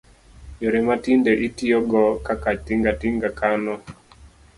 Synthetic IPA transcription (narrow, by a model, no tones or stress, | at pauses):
joɾematindeʔitioɡɔkakatiŋɡatiŋɡakanɔ